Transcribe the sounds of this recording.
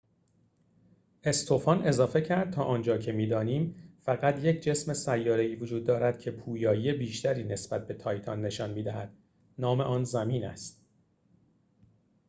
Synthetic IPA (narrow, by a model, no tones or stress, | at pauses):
ʔe̞st̪ʰo̞fɒne̞zɒːfe̞cʰæɾd̪̚t̪ʰɒːʔɒːnd͡ʒɒːcʰe̞miːd̪ɒːniːmfæɣæt̪ʰjecʰd͡ʒe̞sme̞sæjːɒːɾe̞iːvod͡ʒuːd̪ːɒːɾæd̪̥̚kcʰe̞pʰuːjɒːjiːebiːʃt̪ʰæɾiːne̞sb̥æt̪̚be̞t̪ʰɒːjt̪ʰɒnːe̞ʃɒnmiːd̪æhæd̪̥̚ | nɒːme̞ʔɒːnzæmiːnæ̰st̪